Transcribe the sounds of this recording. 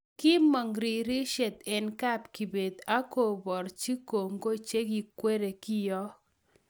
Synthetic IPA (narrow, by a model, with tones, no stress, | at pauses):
kɪ˦mɔ˨ŋɾi˨ɾi˦ʃe˨t̪ɛ˨nka˦pki˨be˨d̪a˦ko˨bɔ˨ɾt͡ʃi˦ko˨ŋɡo˦t͡ʃe˦ɡi˨kwe˦ɾe˨kɪ˦jɔ˦